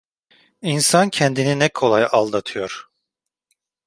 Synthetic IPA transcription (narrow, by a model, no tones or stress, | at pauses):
insancʰɛnd̪ininɛkʰo̞lˠajalˠd̪at̪ʰɯjo̞ɾ̥